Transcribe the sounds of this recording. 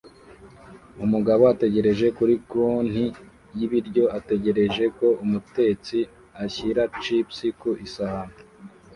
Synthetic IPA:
umuɡaβo̞ate̞ɟe̞ɾe̞ʒe̞kuɾikun̥hi | jiβiɾɟo̞ate̞ɟe̞ɾe̞ʒe̞ko̞umute̞ːt͡si | açiɾat͡ʃipsikuʔisaham

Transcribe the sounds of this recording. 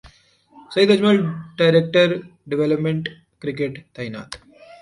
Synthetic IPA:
sɐid̪ɐd͡ʒməlɖaɪɾek̚ʈəɾɖɪʋeləpmẽɳʈ | kɾɪk̬eʈt̪ɐɪna̰ːt̪

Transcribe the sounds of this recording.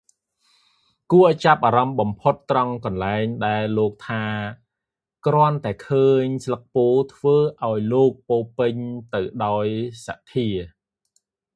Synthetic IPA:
kuət͡ɕap̚ʔaːɾɑmɓɑmpʰot̪ːrɑŋkɑnlaɛŋɗaɛlːoːk̚t̪ʰaː | krŏənt̪aɛkʰəːɲslək̚poːt̪ʰʋəːʔaɔjloːk̚poːpɨɲt̪ɨwɗaɔjsaʔt̪ʰiə

